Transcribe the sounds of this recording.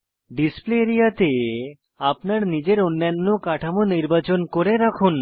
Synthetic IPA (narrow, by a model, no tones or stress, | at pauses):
ɖispleɾijat̪e | apnaɾnid͡ʑeɾonːanːokaʈʰamoniɾbat͡ɕonkoɾeɾakʰun